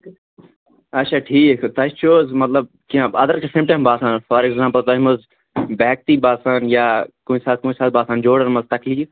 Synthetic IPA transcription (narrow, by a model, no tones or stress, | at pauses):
ɐtːt͡ʃʰaːʈʰiːkt̪ɐt͡ʃt͡ʃoːzmɐt̪lɐb̚ | kiãbɐd̪əɾkesẽːmʈãːmbaːsãːnfɔɾekzãːmpəlt̪ɐɦmʊz | bɛːk̚t̪iːbaːsaːnjaːkõisaːt̪̚kõːĩsaːt̪̚baːsãːnd͡ʒoːɽəɾmɐzt̪ɐkliːf